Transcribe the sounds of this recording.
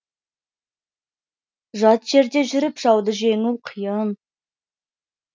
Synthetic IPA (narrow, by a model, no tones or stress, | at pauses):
ʒɑt̪ʒ̥e̞ɾd̪e̞ʒʏɾɪpʒ̥ɑwd̪əʒe̞ŋuwqʰəjəm